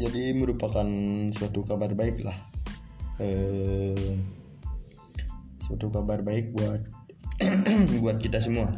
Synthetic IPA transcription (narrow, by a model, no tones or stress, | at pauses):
d͡ʒadiməɾupakansuat̪ukabarbaɪklah | ə | suat̪ukabarbaɪk̚buat̪̚ | buat̪̚kit̪as̬əmua